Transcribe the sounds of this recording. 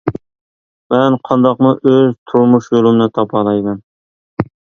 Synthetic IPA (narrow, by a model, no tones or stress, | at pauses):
mɛnqʰɑnd̪ɑqmʊʔøzt̪ʰuɾmuʃjolˠɨmnɨt̪ʰɑpʰɑlˠɑjmɨn